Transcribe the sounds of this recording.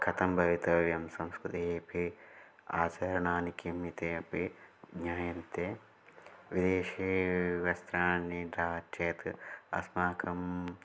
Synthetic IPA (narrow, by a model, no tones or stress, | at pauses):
kʰɐt̪ɐmbʱɐʋit̪ɐʋjɐmsɐ̃mskɾut̪ieɐpʰi | aːt͡ʃɐɾɐɳaːnikɐmit̪eɐpiɡɲaːjɐmt̪eː | ʋid̪eːʃeʋɐst̪ɾaːnid̪aːteːt̪ɐ̰smaːkʰɐm